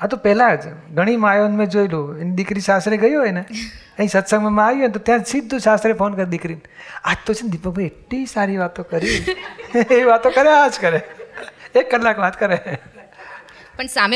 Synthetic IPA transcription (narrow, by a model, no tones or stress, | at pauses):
at̪opɛlad͡ʒɡʱəɽ̃imajonmẽd͡ʒoiluend̪ɪkɾiʃast̪ɾeɡəjoɦojne | ə̃ĩsət̪səɡmẽmãaʋjũent̪ot̪jãsid̪ʱːuʃast̪ɾefonkəɾed̪ɪkɾin | ad͡ʒt̪ot͡ʃʰend̪ipək̚bʱajeʈlisaɾiʋat̪õkəɾi | eʋat̪okəɾead͡ʒkəɾe | ekːəlːakʋat̪kəɾe | pəɳsam